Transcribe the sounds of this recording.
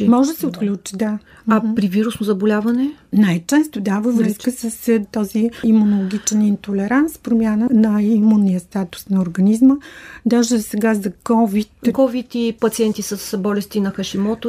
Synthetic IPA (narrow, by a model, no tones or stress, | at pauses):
mɔʒd̪əsɛot̪klʲut͡ʃi̥d̪a | apɾiviɾusnozɐbolʲavɐnɛnajt͡ʃɛst̪od̪avəvɾəskəsəst̪ɔziimunolˠoɡʲit͡ʃɛnint̪olɛɾanspɾomʲjanənɐimunːijəst̪at̪u̥snɐʊɾɡɐnizməd̪aʒɛzɐsɛɡazɐkɔvit̪kɔvit̪ipɐt̪siɛnt̪isəsbɔlɛst̪inɐxɐʃimɔt̪o